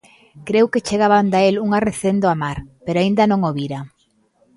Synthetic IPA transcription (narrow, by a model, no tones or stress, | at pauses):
kɾewket͡ʃeɣaβand̪aeluŋareθend̪oamaɾpeɾoaĩnd̪ɐnõŋoβiɾa